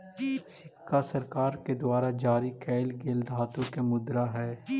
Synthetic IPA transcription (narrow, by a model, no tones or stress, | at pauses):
sɪkːasɐɾkaːɾked̪ʊaːɾad͡ʒaːɾikɛːlɡeːld̪ʱaːt̪ũkemʊd̪ɾaɦɛː